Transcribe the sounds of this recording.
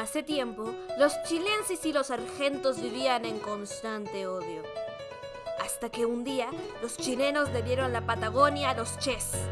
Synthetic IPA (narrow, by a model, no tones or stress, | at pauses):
aset̪je̞mpolo̞st͡ʃile̞nsesilo̞saɾxe̞nt̪o̞zβiβianẽ̞ŋko̞nst̪ant̪eoðjo | a̰st̪ake̞und̪ialo̞st͡ʃine̞no̞zðe̞βje̞ɾo̞nlapat̪aɣ̞o̞njalo̞st͡ʃes